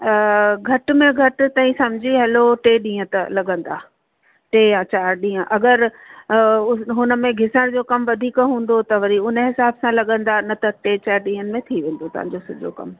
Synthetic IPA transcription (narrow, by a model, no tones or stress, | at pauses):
ɡʱɐʈmẽɡʱɐʈ̆t̪ɐ̃ːĩsɐmd͡ʑʱiɦɛloʈeːɗĩːə̃t̪ɐlɐɠə̃nd̪aː | ʈeːjat͡ɕaːɾɗĩːə̃ʔɐɡəɾ | ɦʊnə̆mẽɡʱɪsəɽ̃d͡ʑoːkɐmʋɐd̪ʱiːkɦũːn̆d̪ot̪ɐʋɐɾiʊnəɦɪsaːbsãlɐɠə̃nd̪anɐt̪ɐʈeːt͡ɕaːɾɗĩːɦənɪ̆mẽt̪ʰiʋẽːn̆d̪ot̪ɐ̰ʋ̤ã̰ɲd͡ʑosʊʄʱo̰kɐ̰m